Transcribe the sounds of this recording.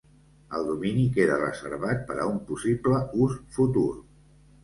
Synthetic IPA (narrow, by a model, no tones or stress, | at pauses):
əlˠd̪uminikeðərə̰zə̰ɾβat̪̚pəɾə̰umpusibləusfut̪ur